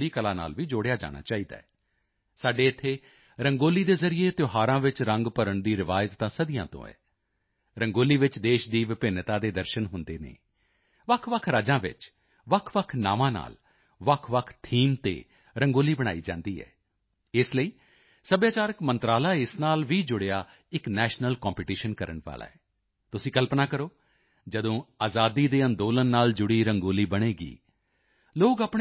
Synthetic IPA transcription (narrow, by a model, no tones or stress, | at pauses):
liːkəlãːna̰ːlʋiːd͡ʒoːɽejaːd͡ʒa̰ːɽ̃a̰ːt͡ʃaːiːd̪a̰ːɛː | saːɖeːɪt̪ʰːeː | ɾəŋɡoːliːd̪eːzəɾieːt̪joːɦaːɾãːʋɪt͡ʃɾə̃ŋɡpəɾəɳd̪iːɾɪʋaːjət̪ːãːsəd̪ɪjã̰ːt̪õ̰ːɛ̰ː | ɾəŋɡoːliːʋɪt͡ʃd̪eːʃd̪iːʋɪpɪnt̪ãːd̪eːd̪əɾʃənɦʊnd̪eːnḛː | ʋəkʰʋəkʰɾaːd͡ʒãːʋɪ̰t͡ʃ | ʋəkʰʋəkʰna̰ːʋãːna̰ːl | ʋəkʰʋəkʰt̪ʰiːmt̪ḛː | ɾəŋɡoːliːbəɽ̃a̰ːiːd͡ʒã̰ːnd̪iːɦɛ̰ː | ɪsləiː | səbjaːt͡ʃaːɾəkmənt̪ɾaːlaːɪsnaːlʋiːd͡ʒʊɽejaː | ɪknɛːʃnəlkãːmpɪʈiːʃənkəɾəɳʋa̰ːla̰ːɛː | t̪ʊsĩːkəlpnaːkəɾoː | d͡ʒəd̪õːaːzaːd̪iːd̪eːənd̪oːlənːaːld͡ʒʊɽiːɾəŋɡoːliːbəɽ̃eːɡḭː | loːɡaːpɽ